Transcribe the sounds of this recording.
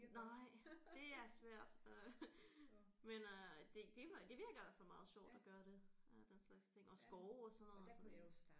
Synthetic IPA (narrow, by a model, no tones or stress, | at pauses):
nɑɪ̰d̥e̝æɐsʋæɐ̰d̥ø | menød̥e̝d̥e̝d̥e̝ʋiɐɡ̥lædæfɒ̽mɑ̈ːð̞̩ˠɕɒ̰ːd̥ɒɡ̥ɶɐɾ̥e̝ød̥enslɑ̈ɡ̥st͡sʰe̝ŋ̰ɒ̽sɡ̥ɒʊɒ̽sɒnːɔ̽ð̩ˠsɒ̽m